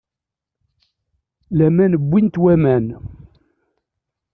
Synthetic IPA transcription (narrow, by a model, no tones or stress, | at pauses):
læmænəbʷːint̪wæmæn